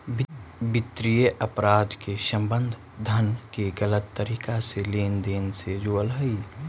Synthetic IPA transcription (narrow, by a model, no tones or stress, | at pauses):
bbɪt̪ɾijəʔəpɾaːd̪kesə̃mbənd̪ʱ | d̪ʱənkeɡələt̪ːəɾiːkaseleːnd̪eːnsed͡ʒoːəlɦəi